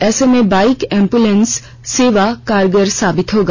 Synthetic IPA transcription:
esemebajkempulensː | eʋakaɾɡəɾsabit̪ʰɦoɡ

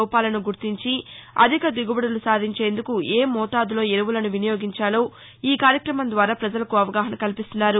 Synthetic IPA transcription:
wpaːlɐnuɡuɾt̪iɲt͡ʃiɐ̰d̪ʱikɐd̪iɡubɐɽɐlusaːd̪ʱiɲt͡ʃe̞ːnd̪ukueːmɔːʈ̪aːd̪ulo̞ːeɾɐʋulɐnuʋinɐjo̞ːɡiɲt͡ʃaːloː | iːkaːɾjɐkɾɐmɐnd̪ʋaːɾaːpɾɐd͡ʒɐlɐkuɐʋɐɡaːɦɐnɐkɐlipist̪unːaːɾu

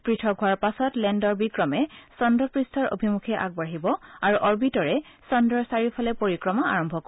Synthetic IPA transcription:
pɹitʰɔɡʱuaɹpasɔtlɛndɔɹbikɹɔmɛsɔndɔpɹistʰɔɹo̰bʱimukʰɛʔa̰ɡ̚baɦibɔaɹuʔɔɹbitɔɹɛ | sɔndɔɹsaɹipʰɔlɛpoɹikɹɔmaa̰ɹɔmbʱɔk

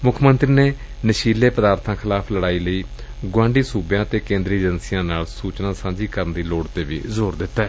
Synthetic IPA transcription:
mʊkʰmənt̪ɾiːneː | nəʃiːleːpəd̪aːɾt̪ʰãːkʰɪlaːpʰləɽaːiːləiːɡwãːɳɖiːsuːbjãːt̪eːkẽːnd̪ɾiːd͡ʒənsijãːnaːlsuːt͡ʃnaːsãːd͡ʒiːkəɾənd̪iːloːɽt̪eːʋḭːzoːɾd̪ɪt̪ːɛː

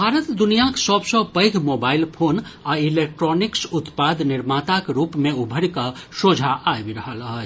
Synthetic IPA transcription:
bʱaɾət̪d̪unijaksɔbsɔ̃pəjɡʰʱmobailpʰonailek̚ʈɾɔniksut̪pad̪niɾmat̪akɾupmeubʱəɽkəsod͡ʒʱaʔabiɾəɦəlɦət͡ʃ

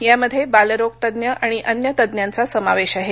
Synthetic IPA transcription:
jaməd̪ʱːjebaləɾok̚t̪əd̪njəʔaɽ̃iʔənjət̪əd̪njant͡sasəmaʋeɕaɦe

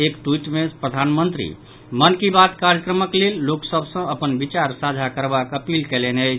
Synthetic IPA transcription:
ekʈwiʈmẽpɾəd̪ʱanmənt̪ɾḭ | mənkibat̪kaɾjəkɾəməklelːoksəbʱsə̃əpənbit͡ʃaɾsad͡ʒʱakəɾbakəpilkɛlɛnət͡ʃʰ

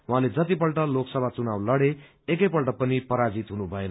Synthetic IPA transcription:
uɦãled͡zʌt̪ipʌlʈʌloksʌbʱat͡sunawlʌɽe | ek̬ʌjpʌlʈʌpʌnipʌɾad͡zit̪ɦunubʱʌen

